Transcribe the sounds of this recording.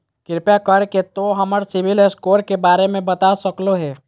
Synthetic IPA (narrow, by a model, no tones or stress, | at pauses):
kɪɾpjakəɾket̪oɦəməɾsɪbʱɪleskoːɾkebaːɾemẽbət̪asəkloɦɛː